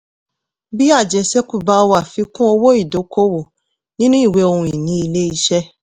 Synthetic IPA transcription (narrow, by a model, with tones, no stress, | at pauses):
bi˦a˦˨d͡ʒɛ˧sɛ˦ku˦˨ba˧wa˦˨fi˨˧kũ˦o˧wo˦i˦˨do˨˦ko˦wo˨ | nĩ˦nũ˦i˦˨we˨˦o˧ɾũ˧i˨nĩ˨˦i˧le˦i˧ʃɛ˦